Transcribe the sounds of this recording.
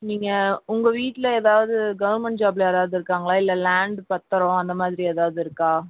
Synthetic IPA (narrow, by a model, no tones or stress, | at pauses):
niːŋɡɐʊŋɡɐʋiːʈːɪlɐeːðaːʋɐðɯɡɐʋɐɾmɛɳʈ̚d͡ʒaːbɪleːðaːʋɐðɯɪɾɯkːaːŋɡɐɭaːɪlːɐlaːɳɖpɐt̪ːɐɾɔ̃ɐnd̪ɐmaːðɪɾieːðaːʋðɯɪɾɯkːaː